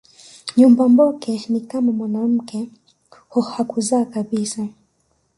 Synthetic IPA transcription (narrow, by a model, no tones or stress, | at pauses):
ɲumbambɔkɛnikamamwanam̩kɛ | hɔhakuzaːkaɓisa